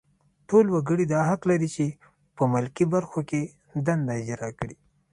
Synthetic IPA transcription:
ʈolwaɡəɽid̪ɑɦaqlaɾit͡ʃe | pəmʊlkibaɾxoke | d̪and̪aɪd͡ʒɾɑkɽi

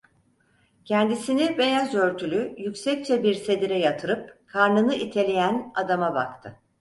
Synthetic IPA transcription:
cʰænd̪isinibe̞jazø̞ɾt̪ʰylʲyjycsɛc̚t͡ʃʰɛbiɾse̞d̪iɾɛjat̪ʰɯɾɯp̚kʰaɾnɯnɯʔit̪ʰe̞lʲijænad̪amaba̰kt̪ʰɯ

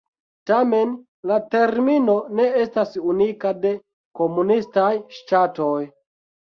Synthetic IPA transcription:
tame̞n | late̞ɾmino̞ne̞estasunikade̞ | ko̞munistajʃtato̞j

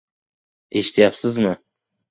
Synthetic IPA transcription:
eʃɪt̪ʰijapsɪzmɪ

